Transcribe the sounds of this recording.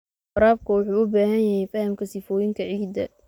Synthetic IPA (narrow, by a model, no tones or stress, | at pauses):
fɐɾaːb̚kʰʊwʊħuːʊbaːhɐnjɐhɛjfɐhɐmkʰɐsɪfɔːjɪŋkʰɐʕiːd̪ɐ̰